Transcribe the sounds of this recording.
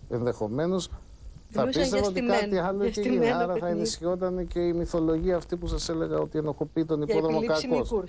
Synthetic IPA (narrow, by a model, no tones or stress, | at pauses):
e̞nðe̞xo̞me̞no̞s | θɐpist̪e̞voot̪kɐt̪iɐloiceinɐɐɾɐθɐenisçio̞t̪̬ɐnece̞imiθo̞lo̞ʝiɐːft̪ipusɐse̞le̞ɣɐo̞t̪ienoxopiːt̪o̞nipoðɾomokɐkos